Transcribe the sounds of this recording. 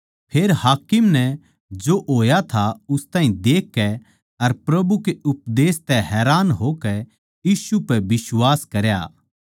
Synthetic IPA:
pʰeːɾhaːkɪmnɛ | d͡ʒoʔoːjat̪ʰaʊst̪ãːɦĩd̪eːkːɛ | ɐɾpɾɐbukeʊpd̪eːst̪ɛɦɛːɾaːnɦoːkɛ | jiːsupɛbɪswaːskɐɾja̰ː

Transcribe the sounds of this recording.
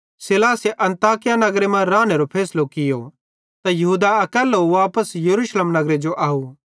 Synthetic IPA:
sɪlaːseʔɐ̃nt̪aːkɪjanɐɡɾemɐ̃ɾaːneɾopʰɛːslokɪjo̰ | t̪ajɐɦuːd̪aɐkɛːlːuʋaːpəsjɐɾuːʃleːmnɐɡɾed͡ʒoʔaːu

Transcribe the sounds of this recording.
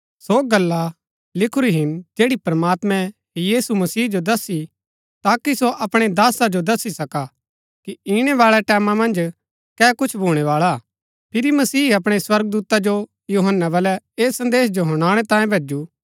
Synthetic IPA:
soɡɐlːa | lɪkʰʊɾiɦɪnd͡ʒeːɽipɾɐmaːt̪mɛ̃ɦjiːsumɐsiːd͡ʒod̪ɐsːi | t̪aːkisoʔɐpɽ̃ed̪aːsad͡ʒod̪ɐsːisɐka | kiiɽ̃ɛʋaːɭɛʈɛːmãmɐ̃nd͡ʒ | kɛːkʊt͡ʃʰbʱuːɽ̃ɛʋaːɭa | pʰɪɾimɐsiːɐpɽ̃eswɐɾɡ̚d̪uːt̪ad͡ʒo | juːɦənːabɐlɛ | eːsːɐ̃nd̪eːs̬d͡ʒoɦʊɽ̃aːɽ̃et̪ãːjẽbʱeːd͡ʒuː

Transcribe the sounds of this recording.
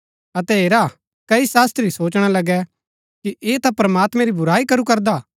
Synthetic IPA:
ɐt̪ɛɦeːɾa | kɐisaːst̪ɾisoːt͡ʃɽ̃alɐɡɛ | kiʔeːt̪apɾɐmaːt̪mɛ̃ɾibʊɾaːikɐɾukɐɾd̪aː

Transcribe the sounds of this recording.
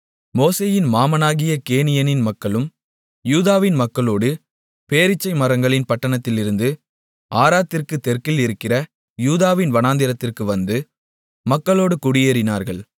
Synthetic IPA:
moːseːjɪnmaːmɐnaːɣɪjɐkeːnɪjɐnɪnmɐkːɐɭɯm | juːðaːʋɪnmɐkːɐɭoːɽɯ | peːɾɪt͡ʃːɐɪmɐɾɐŋɡɐɭɪnpɐʈːɐɳɐt̪ːɪlɪɾɯnd̪ɯ | aːɾaːt̪ːɪrkɯt̪ːɛrkɪlɪɾɯkːɪrɐ | juːðaːʋɪnʋɐnaːnd̪ɪɾɐt̪ːɪrkɯʋɐnd̪ɯ | mɐkːɐɭoːɽɯkʊɽɪjeːɾɪnaːɾɣɐɭ

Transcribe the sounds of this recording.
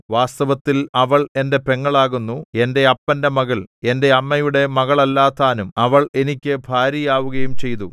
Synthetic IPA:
ʋaːst̪ɐʋɐt̪ːilɐʋɐɭe̞nde̞pe̞ŋːɐɭaːɣunːue̞nde̞ɐpːɐnde̞mɐɣɐɭe̞nde̞ɐmːɐjuɽe̞mɐɣɐɭɐlːaːt̪ːaːnumɐʋɐɭe̞nikʲːɨbʱaːɾjɐjaːʋuɣɐjumt͡ɕe̞jt̪u

